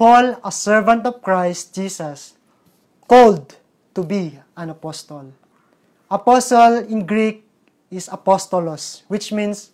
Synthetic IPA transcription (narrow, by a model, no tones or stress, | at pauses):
pɔlɐsɛɹvãnt̪ɔv̥kɹajst̪̚d͡ʒisɐs | kold̪̚ | t̪ubi | ãnɐpɔst̪ɔl | ʔɐpɔsɔlɪ̃nɡɹik̚ | ɪsɐpɔst̪ɔlɔswɪt͡ʃmĩns